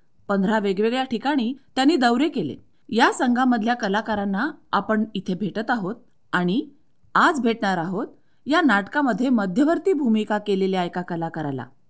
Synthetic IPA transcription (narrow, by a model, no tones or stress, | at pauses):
pənd̪ʱɾaʋeɡʋeɡɭjaʈʰikaɽ̃iːt̪janːiːd̪əwɾekelḛ | jasəŋɡʱaməd̪ʱljakəlakaɾanːaapəɳit̪ʰebʱeʈət̪aɦot̪̚ | aɽ̃i | ad͡zbʱeʈɳaɾaɦot̪̚ | janaʈkaməd̪ʱːjeməd̪ʱjəʋəɾt̪iːbʱumikakeleleajkakəlakəɾala̰